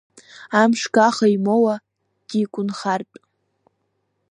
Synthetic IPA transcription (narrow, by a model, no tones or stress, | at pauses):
amʂɡaχaimowa | d̥ikʷʼʊnχartʼ